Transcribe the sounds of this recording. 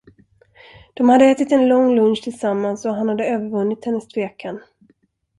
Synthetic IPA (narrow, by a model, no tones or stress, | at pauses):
d̪̥ɔmhad̪ːəɛːt̪ɪt̪ɛnlɔŋːlɵnʃt̪ʰɪlsamːansɔɦanhad̪ːəøːvəɾvɵnːɪt̪hɛnːəst̪ʰveːkʰan